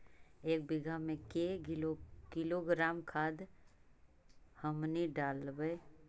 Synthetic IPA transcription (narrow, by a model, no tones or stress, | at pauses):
eːk̚bɪɡʱamẽke | kɪloɡɾaːmkʰaːd̪ | həmniɖaːlbəe